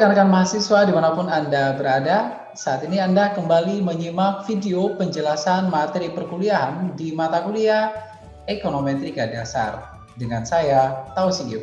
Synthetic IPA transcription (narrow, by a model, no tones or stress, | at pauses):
kanakanmaɦasiswadimanapʊnandabəɾada | saːt̪iniandakəmbaliməɲimak̚fideopəɲd͡ʒəlasanmat̪eɾipərkuliaɦandimat̪akulia | ekonomet̪ɾikadasa̰r | dəŋansajat̪ausiŋɡi